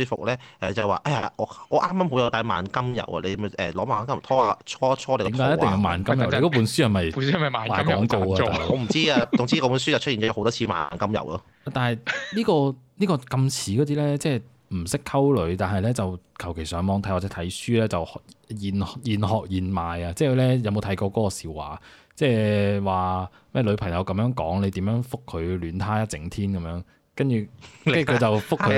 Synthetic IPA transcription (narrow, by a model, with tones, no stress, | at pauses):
syː˧fʊ̰˨k̚lɛ˥ʔɛ̰˨t͡sɐ˨˩jwaː˨ʔaː˧ja˧ɔː˨˧ɔː˨˧ʔaː˥maː˥mho˨˥wjɐ˨˧wt̪aː˧jma̰ː˨˧˥nkɐ˥mjɐ̰˨wɐ̰˨lḛ˨˧m˨˧ʔɛ̰ː˨˩lɔː˨˥maː˨˧nkɐ˥mt̪ʰɔː˥aː˧t͡ʃʰɔː˥t͡ʃʰɔː˥le˨˧kiː˨˥mkaː˧˦jt̪ɪ˨˧ŋjɐ˨˧wmaː˨˧nkɐ˥mjɐ˨wle˧˥kɔː˨˧pu˨˧˥nsyː˥hɐ˨jmɐ˨jɐ˨mɐ˨maː˨maː˨jkːŋko˧waː˧˨a˨˧ɔː˨˧m̩˨˩t͡siː˥a˧t͡sʊ˨ŋt͡siː˥kɔ˧˥puː˨˧˥nsyː˥t͡sɐ˨wt͡ʃ̚ʰi˨˩ɔ˨˥˧hwt̪ɔː˥t͡ɕʰiː˧ma̰ː˨nkɐ˥mjɐ̰˨˩wlɔ˧ | a˨˧t̪aː˨nhɐ˨˩jliː˥kɔː˧niː˥kɔː˧kɐ˧mt͡sʰiː˨˥kɔ˨˧t̪̬iː˥lɛː˥t͡sɛː˥˩ | m̩˨˩sɪ˥kʰːɐ˥wlɵ˨˧ɥt̪aː˨nɦɐ˨jlɛː˥t͡sɐ˨wkʰɐ˨˩wkʰe˨˩jsœː˨˥ŋmɔː˨˧ŋt̪ʰɐ˨˥jwa˨˩t͡sɛ˨˦˥tʰɐ˨˥jsyː˥lɛː˥t͡sɐ˨wjiː˨˩njiː˨nɦɔː˨k̚jiː˨˩nmaː˨jɐ˧t͡sɛː˥˩kʰlɛː˥jɐ˨˧wmo˧t̪ʰjkɔː˧kɔː˨˧˥kɔː˧siː˨wa̰ː˨˩ | t͡sɛː˥˩waː˨ | mɛː˥˩lɵ˨˧ɥpʰɐ˨˩ŋjɐ˨˧wkɐ˨˥mjœː˨˥ŋkɔ̰ː˨˥ŋle˨˧jt̪iː˨˥mjœː˨˧˥ŋfʊ˥k̚ʰːɵ˨˧ɥlyː˨˧nt̪ʰaː˥jɐ˥t͡sɪ˨˥ŋt̪ʰiː˥nkɐ˨˧mjœː˨˧˥ŋ | kɐ˥nt͡ʃyː˨ɐ˥ny˨kʰːt͡sɐ˨wfʊ˥kkʰːɵ˨˧